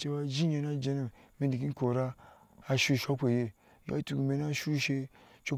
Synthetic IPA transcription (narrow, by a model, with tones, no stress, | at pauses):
t͡ʃe˧wa˧d͡ʒi˦ɲe˧na˦d͡ʒe˧nu˨mi˦ndi˨ki˦ko˨ɾaː˦˧ | ʃu˦˨ʃa˦kʷe˨je˧ | ja̰˦tu˨ɡi˨me˨na˦ʃu˦ʃe˧t͡ʃo˦